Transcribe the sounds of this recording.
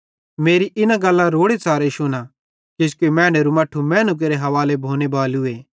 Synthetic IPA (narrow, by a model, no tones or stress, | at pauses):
meːɾiʔɪnãɡɐlːaɾoːɽet͡saːɾeʃʊña | d͡ʒɪskimɛ̃ːɽ̃eɾumɐʈʰːumɛ̃ːnʊk̬eɾeɦɐʋaːlebʱoːñebaːlʊeː